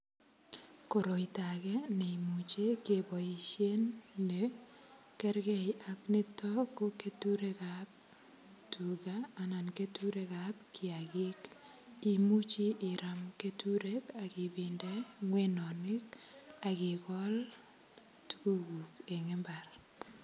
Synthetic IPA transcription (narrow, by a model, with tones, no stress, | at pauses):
ko˨ɾo˨ita˨kɛ˦ne˨i˨mu˨t͡ʃe˦kebɔ˨i˨ʃe˦nːe˨ | kɛ˦ɾɡɛ˦˨jakne˦tɔ˦ko˦ke˦tu˦ɾe˦kap̚ | tʰu˨kaː˦˨na˨nke˦tu˦ɾe˦kap̚kʰɪ˨a˨kɪ˦k | i˨mu˦t͡ʃi˦ʔɪ˨ɾa˨mke˦tu˦ɾe˦ka˨kɪ˨bɪ˨ndɛ˦ŋwe˦nɔ˨nɪ˦ka˨kɪ˨kɔ˦l | tu̥˦ku˦ɡu˨ke˨ŋe˦mba˨r